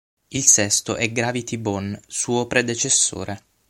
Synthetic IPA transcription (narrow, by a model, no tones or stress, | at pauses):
ilsɛst̪o̰ʔɛɡɾavit̪ibɔnsuːopɾed̪et͡ʃesːo̰ːɾe